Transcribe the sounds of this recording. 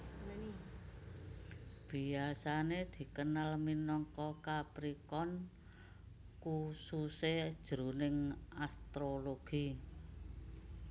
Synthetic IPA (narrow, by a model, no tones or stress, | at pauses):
b̥i̤asaned̪̥i̤kənalminɔŋkɔkapɾikɔn | kusused̥ʒ̥ɾṳnɪŋast̪ɾoloɡ̥i